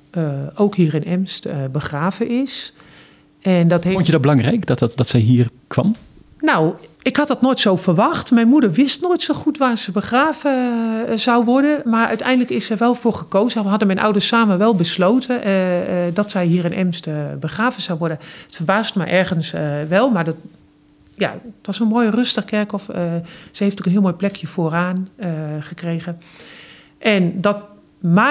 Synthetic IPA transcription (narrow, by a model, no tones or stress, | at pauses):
owkhiːrɪnɛmstbəxraːvəɪs | ɛndɔthnədɔt̚bəlɑŋrɛjkdɔtdɔtsɛjɦiːr | kʰʋɑm | naw | ɪkhɑt̚dɔtnoːjtsowfərʋɑxtmɛjnmudəɹʋɪstnoːjtsoxutʋaːsəbəxraːvəz̥awʋɔɹdəmaɹœ̰ɥtʰɛjndləkɪsəjʋɛlˠvoːɹɣəkoːzəɦɑdəmɛjnʔɔ̰wdəssaːməʋɛlˠbəsloːtʰə | dɔtsɛjɦiːrɛnʔɛ̰mstəbəxraːvəz̥awʋɔɹdəətfərbaːstmɛ̰jʔɛɹɣənsʋɛlˠmaɹdɔt | ja̰tʋɔsənmoːjərøstəxkɛɹkɔfəsəhejftokənɦiəlˠmoːjplɛkʰjəfoːraːnəχəkrejɣə | ʔɛndɔt | ma